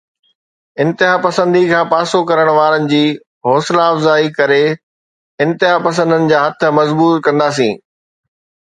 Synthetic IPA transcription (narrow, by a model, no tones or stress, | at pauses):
ɪ̃nt̪ɪɦaːpɐsə̃nd̪ikʰãːpaːsokɐɾəɽ̃ʋaːɾənɪ̆d͡ʑiː | ɦɔːslaːfzaːikɐɾe | ɪ̃nt̪ɪɦapɐs̬ə̃nd̪ənɪ̆d͡ʑaːɦɐt̪ʰʊ̆mɐzbuːɾkɐ̃nd̪aːs̬ĩː